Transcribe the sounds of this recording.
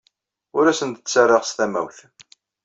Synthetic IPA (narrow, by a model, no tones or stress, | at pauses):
ʊɾæsənt̪ət͡sːarˤːeʁst̪æmæ̰wθ